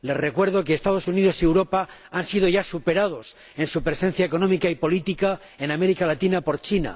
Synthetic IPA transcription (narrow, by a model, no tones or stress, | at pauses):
le̞zre̞kwe̞ɾð̞o̞keːst̪að̞o̞suniðo̞siewɾo̞pa | ansið̞o̞ʝasupe̞ɾað̞o̞s | e̞nsupɾe̞se̞n̟θjaeko̞nomikaipo̞lit̪ika | e̞name̞ɾikalat̪inapo̞ɾt͡ʃina̰